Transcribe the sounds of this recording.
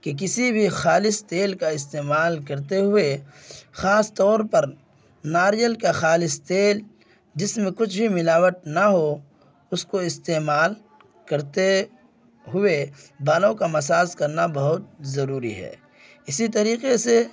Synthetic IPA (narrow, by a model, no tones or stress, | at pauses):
kek̬ɪsibʱixaːlɪst̪eːlkaɪs̬t̪eːmaːlkɐɾt̪eɦʊexaːst̪ɔːɾpɐɾ | naːɾijəlkaxaːlɪst̪eːl | d͡ʒɪsmẽkʊt͡ʃʰbʱimɪlaːʋət̪̚naɦo | ʊskoɪst̪eːmaːl | kɐɾt̪e | ɦʊebaːlõkamɐsaːzkɐɾnabɐɦʊt̪̚zɐɾuːɾḭɦɛ̰ː | ɪsit̪ɐɾiːqese